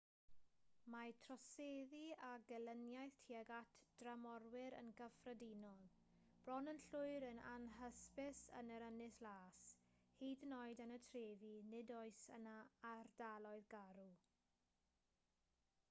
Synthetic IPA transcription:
matʰrɔseːðiaɡɛlənjajθtʰiɛɡatʰd̥ramɔrwɪɾə̰nɡəfrədinɔlˠ | b̥rɔnənɬʊɨɾəna̰nɦəspɪsə̰nəɾənɪslaːshiːdnɔɨdənətʰreːvinɪdɔɨsə̰naːrdalˠɔɨðɡaɾu

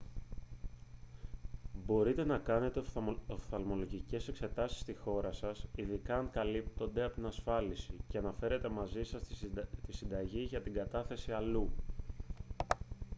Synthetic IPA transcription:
bo̞ɾit̪e̞nɐkɐne̞t̪eofθɐlmo̞lo̞ʝice̞se̞kse̞t̪ɐsi̥st̪ixo̞ɾɐsɐsiðikɐːŋkɐlip̚t̪o̞nd̪e̞ɐpot̪inɐsfɐlisiceɐnɐfe̞ɾe̞t̪e̞mɐzisɐst̪isind̪ɐʝiʝɐt̪iɡɐt̪ɐθe̞siɐlu

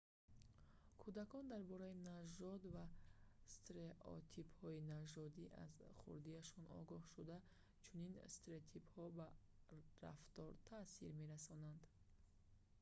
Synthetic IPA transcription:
kʰud̪akɔnd̪aɾbɔɾainaʒɔd̪vast̪ɾeʔɔ̰t̪ʰiphɔinaʒɔd̪iʔa̰zχṵɾd̪iaʃɔnʔɔ̰ɡɔhʃud̪a | t͡ʃʰuninst̪ɾet̪ʰiphɔba | ɾa̰ft̪ɔɾt̪ʰasḭɾme̞ɾasɔnand̪

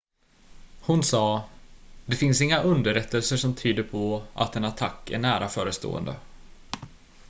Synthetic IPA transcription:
hʊnsɑː | d̪ɛfɪnsɪŋːaʔɵnd̪əɾɛt̪ʰːəlsəʂɔmt̪ʰyːd̪əɾpʰɔʔa̰t̪ɛnat̪ʰakːæ̰ɳæːɾʔafœːɾəst̪o̰ːə̰nd̪ə̰

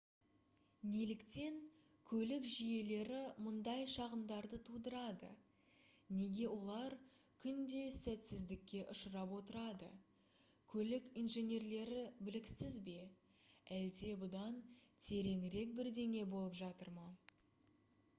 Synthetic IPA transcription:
ne̞lɪkt̪e̞ŋ | kʲʰɵlɪkʒije̞le̞ɾɪmʊnd̪ɑjʃɑʁəmd̪ɑɾd̪ət̪ʰud̪əɾɑd̪ə̰ | ne̞ɡʲe̞wo̞lˠɑɾkʲʰʏnd̪e̞sæt̪sɪzd̪ɪkʲːe̞ʔʊʃəɾɑpwo̞t̪əɾɑd̪ə̰ | kʲʰɵlɪkijnʒe̞nʲe̞rle̞ɾɪbɪlɪksɪzbe̞ | æld̪e̞bʊd̪ɑnt̪ʰe̞ɾe̞ŋɾe̞k̚bɪɾd̪e̞ŋʲe̞bo̞lˠəpʒɑt̪əɾmɑ

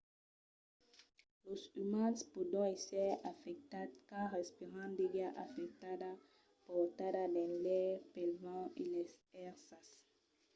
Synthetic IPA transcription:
losymãnspud̪ɔ̃esɛafɛk̚t̪ad̪kaʁespiʁãnd̪eɡaʔafɛk̚t̪ada | pɔt̪adad̪ɛ̃lɛpelvãilesɛʁsas

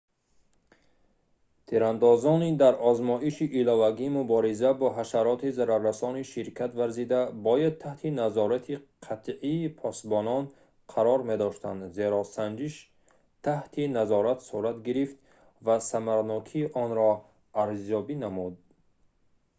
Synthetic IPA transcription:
t̪ʰiɾand̪ɔzɔnid̪aɾɔzmɔiʃiʔːlɔvaɡiːmubɔɾizabɔɦaʃaɾɔt̪ʰizaɾaɾːasɔniʃiɾkʰat̪vaɾzid̪abɔjad̪̚t̪ʰaht̪ʰinazɔɾat̪ʰiqʰat̪ʰʕiːpʰɔst̪bɔnɔn | qʰaɾɔɾmed̪ɔʃt̪a̰nd̪ze̞ɾɔsand͡ʒiʃ | t̪ʰaht̪ʰinazɔɾat̪suɾat̪ɡiɾift̪ | vasamaɾnɔkʰiːʔɔnɾɔ | aɾzjɔbinamud̪

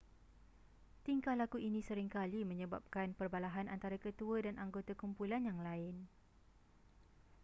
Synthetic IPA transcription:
t̪iŋkalːakuʔinĩsəɾɪŋkalimə̃ɲə̃ba̰p̚kanpərbalaɦanant̪aɾakət̪uədanʔaŋɡot̪akumpulanjaŋlaɪn

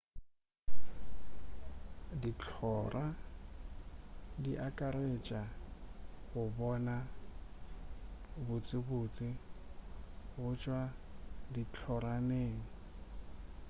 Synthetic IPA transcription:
dit͡ɬʰɔːrʔa | diʔakʼaɾet͡ʃʼa | ɣʊbɔna | bʊt͡sʼɪbʊːt͡sʼɪ | ɣʊt͡ʃʼwadit͡ɬʰɔɾaneːŋ̩

